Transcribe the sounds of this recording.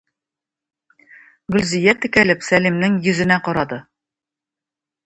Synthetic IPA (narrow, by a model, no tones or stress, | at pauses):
ɡɵ̆lzijæt̪ɘ̆kælɘpsælimnɘŋjɵ̆zɘ̆næqɒɾɑd̪ɤ